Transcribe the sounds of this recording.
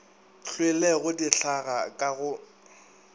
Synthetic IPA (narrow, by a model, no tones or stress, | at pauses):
ɬʰwelɛɣʊdiɬaɣakʼaɣʊ